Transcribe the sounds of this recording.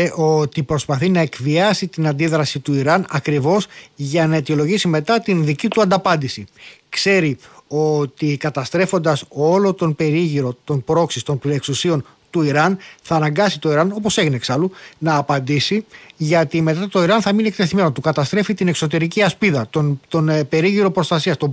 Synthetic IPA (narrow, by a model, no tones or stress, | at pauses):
ʔo̞t̪ipɾo̞spɐθinɐe̞kviɐsit̪inɐnd̪iðɾɐsit̪uiɾɐnɐkɾivo̞sʝɐnɐe̞t̪io̞lo̞ʝisime̞t̪ɐt̪inðicit̪uɐnd̪ɐpɐnd̪isikse̞ɾio̞t̪ikɐt̪ɐst̪ɾe̞fo̞nd̪ɐso̞lo̞t̪o̞npe̞ɾiʝiɾo̞t̪o̞npɾo̞ksist̪o̞nplieksusio̞n | t̪uiɾɐnθɐːnɐŋɡɐsit̪o̞iɾɐno̞po̞se̞ʝineksɐlunɐːpɐnd̪isiʝɐt̪ime̞t̪ɐt̪o̞iɾɐnθɐminek̚t̪e̞θime̞no̞t̪ukɐt̪ɐst̪ɾe̞fit̪ine̞kso̞t̪e̞ɾiciɐspiðɐt̪ont̪onpe̞ɾiʝiɾo̞pɾo̞st̪ɐsiɐst̪o